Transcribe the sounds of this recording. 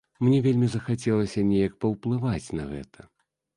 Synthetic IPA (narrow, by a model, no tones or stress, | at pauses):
mnʲɛvʲelʲmʲizɐxat͡sʲɛlˠɐsʲɐnʲɛjɐkpɐwplˠɨvat͡sʲnɐɣɛ̰t̪ʰɐ